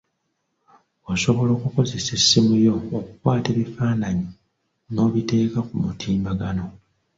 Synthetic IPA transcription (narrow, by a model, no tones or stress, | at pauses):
oso̞βo̞loːkuko̞ze̞se̞sːimujo̞ːkukwaːte̞ːβifaːnaɲi | no̞ːβite̞ːkakumutʰiːmbaɡano̞